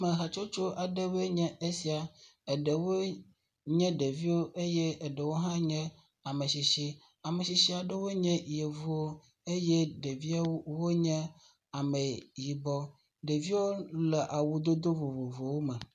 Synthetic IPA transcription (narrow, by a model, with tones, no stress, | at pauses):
mẽ˨ɦa˨t͡ʃo˦t͡ʃo˦ʔa˨ɖə˦be˦ɲɛ̃˦e˦si˨a˨e˨ɖe˨wo˦ | ɲɛ̃˦ɖe˨vi˦wo˦ʔe˦je˦e˨ɖe˨wo˦ɦã˦ɲɛ̃˦ | a˨me˨si˨ʃi˦ | a˨me˨si˨ʃi˦a˨ɖe˦wo˦ɲɛ̃˦˨je˨vu˦wo˦ | e˦jɛ˦ɖe˨vi˦a˦wo˦wo˦ɲɛ̃˦ | a˨me˨ji˨bɔ˦ | ɖe˨vi˦wo˦le˨ʔa˨wu˦d̪o˦d̪o˦vo˨vo˨vo˨wo˦mɛ˨